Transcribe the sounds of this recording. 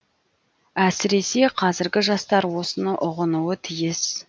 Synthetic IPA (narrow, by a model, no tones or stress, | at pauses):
æsɪɾe̞se̞qʰɑzɪɾɡʲɪʒɑst̪ɑɾwo̞sənəʔʊʁənuət̪ʰijɪs